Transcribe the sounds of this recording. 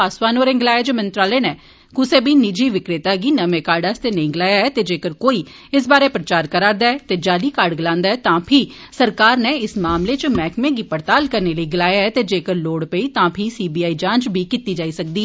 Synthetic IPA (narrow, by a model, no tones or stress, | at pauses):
aːsʋaːnoːɾẽːŋɡɪlaːjeːd͡ʒeːmənt̪ɾaːleːnɛː | kʊsẽːbʱiːnɪd͡ʒiːʋɪkɾɪt̪aːɡiːnəmẽːkaːɾɖaːst̪eːnəĩːɡɪlaːjaːɛːt̪eːd͡ʒeːkəɾkoːiː | ɪs̬baːɾeːpɾət͡ʃaːɾkəɾaːɾd̪aːɛːt̪eːd͡ʒaːliːkaːɾɖɡɪlãːnd̪aːɛːt̪ãːpʰɪ | səɾkaːɾneːɪsmaːmleːt͡ʃmɛːkmẽːɡiːpəɾt̪aːlkəɾneːləiːɡɪlaːjaːɛːt̪eːd͡ʒeːkəɾloːɽpəiːt̪ãːpʰɪsiːbiːaːiːd͡ʒãːnt͡ʃbʱiːkɪt̪iːd͡ʒaːiːsək̚d̪iː